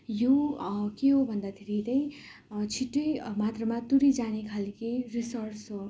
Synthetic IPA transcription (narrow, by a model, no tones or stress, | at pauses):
jokeɦobʱʌnd̪at̪ʰiɾet̪ʌj̃ | t͡sʰiʈːomat̪rʌmat̪uɾid͡zanekʰalkirisʌrsɦo